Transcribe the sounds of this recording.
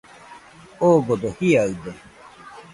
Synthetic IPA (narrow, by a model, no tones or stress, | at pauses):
oːɡod̪ohiaɯd̪e